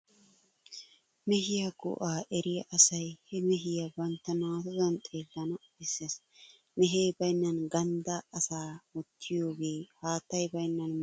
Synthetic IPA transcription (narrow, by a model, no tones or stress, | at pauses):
mɛɦɪjɐɡʊ̰ʔaːʔɛɾɪjɐʔɐsɐjhɛmɛɦɪjɐbɐnt̪ːɐnaːt̪ɔzɐnt̪ʼe̞ːd̪ːɐnɐ | ɪsːes | mɛɦeːbɐjnːɐnɡɐnd̪ɐːsaːmɔt̪ʰːɪjo̞ːɡe̞ːhaːt̪ːɐjbɐjnːɐn